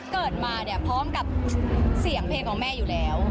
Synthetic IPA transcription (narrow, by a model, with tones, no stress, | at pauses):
kɤː˨˩t̪̚maː˧ni˧˩ɐpʰɔː˦˥mka˨˩p̚si˨˩˦əŋpʰeː˧ŋkʰɔː˨˩˦ŋmɛː˥˩juː˨˩lɛː˦˥w